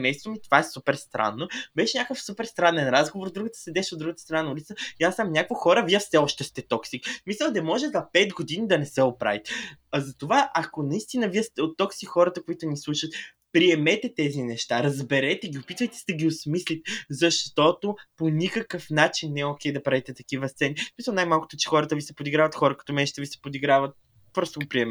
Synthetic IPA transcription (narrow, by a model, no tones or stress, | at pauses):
mɛjst̪vomit̪ovaɛsupɛɾst̪ɾʔa̰nːobɛʃɛnʲakəfsupɛɾst̪ɾanɛnɾazɡovoɾd̪ɾuɡət̪ə̥sɛd̪ɛʃod̪ɾuɡət̪ə̥st̪ɾɐnanɐulit̪səiasamnʲakvoxɔɾəviəfsɛɔʃt̪ɛst̪ɛt̪ɔksikmislʲɛlˠd̪ɐmɔʒɛzɐpɛd̪ɡod̪inid̪ɐnɛsɛopɾa̰vit̪ɛzɐt̪ovaʔɐkonɐist̪inəviəst̪ɛot̪ːɔksixɔɾət̪əkoit̪ʊnislˠuʃət̪ | pɾiɛmɛt̪ɛt̪ɛzinɛʃt̪aɾɐzbɛɾɛt̪ɛɡʲiopit̪vəjt̪ɛ̥sɛd̪ɐɡʲiosmislʲit̪ɛzɐʃt̪ɔt̪oponʲikəkəfnat͡ʃinːɛɛokʲɛjd̪ɐpɾavit̪ɛt̪ɐkivəst̪sɛnismisəlˠnajmalˠkʊ̥t̪ot͡ʃɛ̥xɔɾət̪əvisɛpod̪iɡɾavɐt̪xɔɾəkɐ̥t̪ɔmɛʒt̪əvisɛ̥pod̪iɡɾavət̪̚ | bɤɾsoɡopɾiɛmɛ